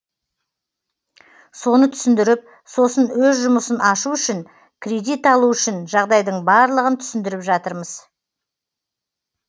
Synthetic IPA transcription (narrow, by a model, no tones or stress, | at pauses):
so̞nət̪ʰʏ̥sɪnd̪ɪɾɪp̚ | so̞sənwɵzʒʊməsənɑʃuʏʃɪŋ | kʲʰɾʲe̞d̪it̪ɑlˠuʏʃɪnʒɑʁd̪ɑjd̪əɴbɑɾlˠəʁənt̪ʰʏ̥sɪnd̪ɪɾɪpʒɑt̪əɾməz